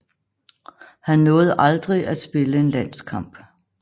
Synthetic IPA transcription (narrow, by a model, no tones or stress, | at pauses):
hænːɔ̽ːð̞̩ˠʔɑ̈ld̥ʁiʔæsb̥e̝ləe̝nlæn̰skʰɑ̈m̰b̥